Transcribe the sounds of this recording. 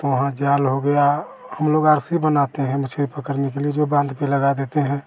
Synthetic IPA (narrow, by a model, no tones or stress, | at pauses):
t̪oʋɐɦãd͡ʒaːlɦoɡəja | həmloːɡaːɾsibənat̪eɦɛ̃mɐt͡ʃʰbipəɾkəɾnekelied͡ʒobãːnd̪ʱpeləɡad̪eːt̪eɦɛ̃ː